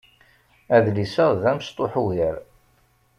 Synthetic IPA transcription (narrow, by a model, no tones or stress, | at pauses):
æðlisəʁðæmst̪ˤoħuɦəɾ